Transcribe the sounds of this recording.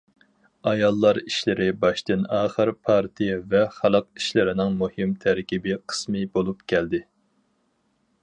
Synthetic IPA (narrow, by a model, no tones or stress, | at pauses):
ɑjɑlˠːɑɾiʃlɪɾɪbɑʃt̪ɨnɑːχəɾpʰɑɾt̪ʰijɛvɛχælˠəq̚iʃlɪɾɪnɪŋmuhɨmt̪ʰæɾkʲibɪqʰə̥smɨbolˠupkʲʰɛld̪ɪ